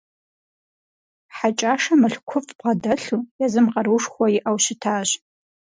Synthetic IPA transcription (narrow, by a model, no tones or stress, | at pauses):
ħat͡ʃʼaːʂɐmɨɬkʷʰʊfʼʁɐdɐɬujazɨmqɐɾuːʂxʷɔjɪʔɐwʃɪtʰaːɕ